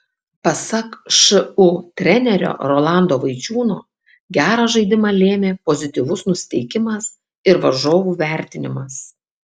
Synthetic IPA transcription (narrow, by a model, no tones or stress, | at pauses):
pɐsɐkʃɨʊt̪ʲɾʲɛnʲɛɾʲo̰ːɾoːlˠɑˑnd̪oːʋɐɪt͡ʃʲuːno̰ː | ɡʲæːɾɑːʒɐɪd̪ʲɪmɑlʲeːmʲeːpozʲɪt̪ʲiːʋʊsnʊsʲɪ̥t̪ʲɛɪkʲɪmɐs | ɪɾʋɐʒoːʋuʋʲæˑɾʲt̪ʲɪnʲɪmɐs